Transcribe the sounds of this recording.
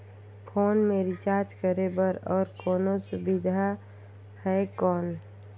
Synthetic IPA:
pʰoːnmẽɾɪt͡ʃaːɾt͡ʃkəɾebəɾɔːɾkɔːnosʊbid̪ʱa | hɛkɔːn

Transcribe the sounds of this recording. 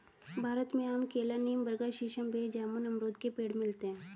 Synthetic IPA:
bʱaːɾət̪mẽəmkeːlaniːmbəɾɡaʃiʃəmbʱed͡ʒaːmunɐmɾoːd̪kepeːɽmɪlt̪eɦɛ̃

